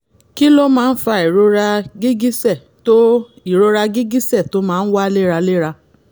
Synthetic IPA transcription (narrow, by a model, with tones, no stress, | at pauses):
ki˦lo˦mãː˦˧n̩˦fa˧i˨ɾo˧ɾa˧ɡi˦ɡi˦sɛ˦˨ | to˦ | i˦˨ɾo˧ɾa˧ɡi˦ɡi˦sɛ˦˨to˦mãː˦˧n̩˦wa˦le˦˨ɾa˧le˦ɾa˧